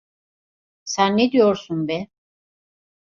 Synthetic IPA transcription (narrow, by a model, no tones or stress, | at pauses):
sænːed̪ijoɾsunbɛ